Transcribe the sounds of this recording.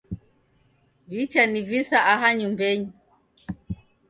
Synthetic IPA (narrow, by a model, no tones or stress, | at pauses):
vit͡ʃanivisaʔaɦaɲumbɛɲi